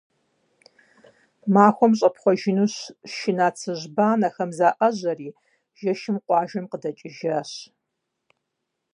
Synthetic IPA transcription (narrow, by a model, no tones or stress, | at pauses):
maːxʷɔmɕʼɐpχʷɔʒɪnuɕʃɪnaːt͡sʰɨʑbaːnɐxɐmzaːʔɐʑɐriː | ʒ̥ɐʃɪmqʷɑːʒɐmqədɐt͡ʃʼɪʒaːɕ